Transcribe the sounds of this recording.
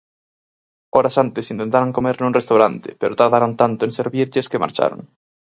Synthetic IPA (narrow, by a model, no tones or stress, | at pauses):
oɾasant̪esint̪ent̪aɾaŋkomeɾnunrest̪awɾant̪e̥peɾʔot̪aɾðaɾant̪ant̪oenseɾβiɾʎeskema̰ɾt͡ʃa̰ɾo̰ŋ